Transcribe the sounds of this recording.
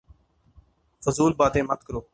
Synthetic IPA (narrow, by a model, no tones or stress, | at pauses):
fʊzuːlbaːt̪ẽːmət̪kəɾoː